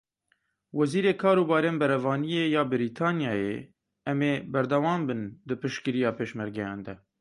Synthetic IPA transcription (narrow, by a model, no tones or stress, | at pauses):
wɛziːɾeːkʰɑːɾuːbɑːɾeːnbɛɾɛvɑːnijeːjɑːbɨɾit̪ʰɑːnjɑːjḛː | ɛmeːbɛɾd̪ɛwɑːmbɨnd̪ɨpɨʃkɨɾijɑːpeːʃmɛɾɡɛjɑ̰̃ːnd̪ɛ